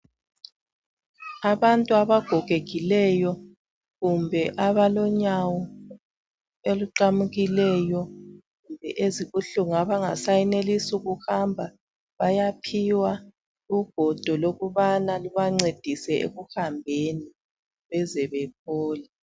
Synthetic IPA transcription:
aβantʼuaβaɡ̥ʱɔɡ̥ʱeɣilɛjɔ | ɣumbʱɛʔaβalɔɲawɔ | eluǃamuɣilɛjɔ | ɣumbʱɛ̰ʔeziɣuɬuŋaβaŋasajinelisuɣuxambʱa | βajapʰiwa | uɡ̥ʱɔd̥ʱɔloɣuβanaluβaŋ͡ǀed̥ʱisɛʔḛɣuhambʱeni | βɛzɛβɛp̚ʰɔːla

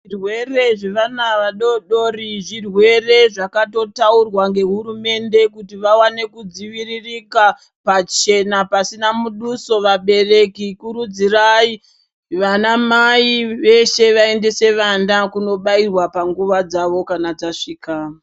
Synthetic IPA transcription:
irwe̞re̞ʐe̞ʋanaʋaɗo̞ɗo̞riʐirwe̞re̞ʐakato̞taurwaŋɡe̞ɦuɾume̞nde̞kutiʋawane̞kud͡ziʋiririka | pat͡ʃe̞napasinamuɗuso̞ʋaɓe̞re̞kikuɾud͡zirai | ʋanamaiʋe̞ʃe̞ʋae̞nde̞se̞ʋandakuno̞ɓairwapaŋɡuʋad͡zaʋo̞kanad͡zaʂiːka

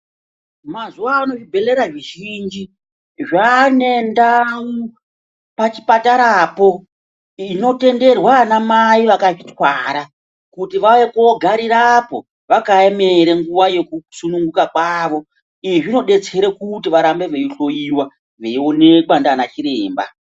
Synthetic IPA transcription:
mazuwaːno̞ʐibʱe̞le̞ɾaʐiʒind͡ʒi | ʐane̞ndau | pat͡ʃi̥pataɾaːpo̞ | ino̞te̞nde̞rwanamaiʋakaʐitwaːɾa | kutiʋaʋekuoɡʱaɾiɾapo̞̰ | ʋakaemeɾeŋɡuʋaje̞kusunuŋɡukak̚waːʋo̞ | iiʐino̞ɗe̞t͡seɾekutiʋaɾambe̞ʋeiɬo̞jiwa | ʋeione̞kandanat͡ʃiɾeːmba̰

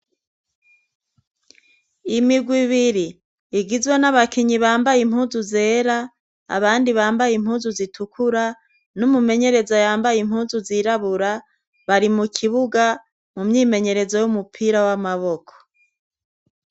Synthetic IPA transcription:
imiɡwiβiɾiː | ɡizwenaβakiɲiβaːmbajim̥huːnzuze̞ːɾa | a̰βaːndiβaːmbajim̥huːnzuzitʰukʰuɾa | numume̞ɲe̞ɾe̞zajaːmbajimhuːnzuziɾaβuɾa | βaɾimukʰiβuɡa | mumɲiːme̞ɲe̞ɾe̞zo̞jumupʰiːɾawamaβo̞kʰo̥

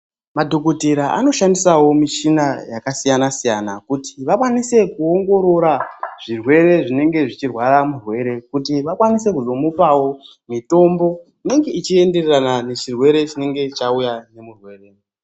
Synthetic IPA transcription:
madʱokutiɾaʔa̰no̞ʃandisawo̞miʃinajakasijanasijanakutʰi̥ʋakwanise̞kuoŋɡo̞ɾo̞ɾaʐ̥irwe̞ɾe̞ʐine̞ŋɡe̞ʐit͡ʃirwaɾamurwe̞ɾe̞kutiʋakwanise̞kuzo̞mupawo̞ | mito̞mbo̞ | ine̞ŋɡe̞it͡ʃie̞nde̞reranane̞t͡ʃirwe̞ɾe̞t͡ʃine̞ŋɡe̞t͡ʃaujane̞murwe̞reː

